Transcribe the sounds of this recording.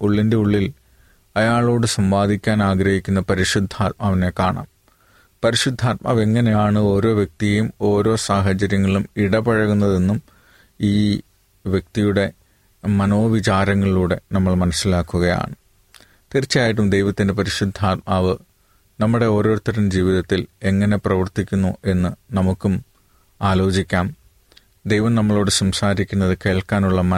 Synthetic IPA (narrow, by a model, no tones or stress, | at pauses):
uɭːinde̞uɭːil | ɐjaːɭo̞ːɽɨsɐmʋaːd̪ʱikʲːaːnaːɡɾɐhikʲːunːɐpɐɾiʂud̪ʱːaːt̪̚maːʋine̞kːaːɳa̰ːm | pɐɾiʂud̪ʱːaːt̪̚ma̰ːʋe̞ŋːɐnejaːɳɨo̞ːɾo̞ːʋjɐk̚t̪ijejumo̞ːɾo̞ːsaːɦɐt͡ɕɐɾjɐŋːɐɭumiɽɐbɐɻɐɣunːɐðe̞nːum | iː | ʋjɐk̚t̪ijuɽe̞ | mɐno̞ːʋit͡ɕaːɾɐŋːɐɭuːɽe̞nɐmːɐɭmɐnɐsːilaːkːuɣɐja̰ːɳɨ | t̪irit͡ɕːaːjiʈ̬ːumd̪e̞jʋɐt̪ːinde̞p̬ɐɾiɕud̪ʱːaːɐʋɨ | nɐmːuɽe̞o̞ːɾo̞ːit̪ːɐɾɐnd͡ʑiːʋiðɐt̪ːile̞ŋːɐne̞prɐʋɐrt̪ikʲːunːuʔe̞nːɨnɐmukːum | aːlo̞ːt͡ɕikʲːaːm | d̪e̞jʋɐmnɐmːɐɭo̞ːɽɨsɐmsaːɾikʲːunːɐðɨke̞ːɭkaːnuɭːɐmɐ